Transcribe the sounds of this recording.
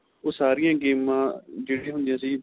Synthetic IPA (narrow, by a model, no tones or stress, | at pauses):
oːsaːɾɪjãːɡeːmãːd͡ʒeːɽĩãːɦʊ̃nd̪ijãːsiː